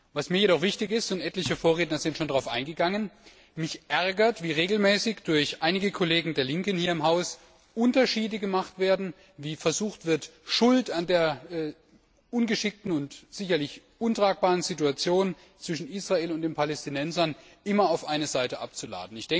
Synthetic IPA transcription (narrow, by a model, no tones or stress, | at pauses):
vasmiːɐjeɾɔχv̥ɪçtɪçɪstʊntʔɛtlɪçəfoːɐʁeːtnɐzɪntʃoːndaʁaʊfʔaɪnɡəɡaŋən | mɪçʔɛɐɡɐtv̥iːʁeːɡl̩mɛːsɪçd̥ʊɐçʔaɪnɪɡəkʰoleːɡŋ̩deːɐlɪŋkən̩hiːɐɪmɦaʊs | ʔʊntɐʃiːdəɡəmaχtv̥eːɐdn̩ | viːfɛɐzuːxtv̥ɪɐtʃʊltandeːɐɛː | ʔʊnɡəʃɪk̚tn̩ʊntz̥ɪçɐlɪç | ʔʊntʁ̥aːk̚b̥aːʁ̞ənzituat͡sjoːnən | t͡sv̥ɪʃn̩iːsʁ̥aeːlʊntd̥eːnpʰalɛstinɛnzɐn | ʔɪmɐaʊfʔaɪnəzaɪtəʔa̰p̚t͡sula̰ːdn̩ɪçd̥ɛŋ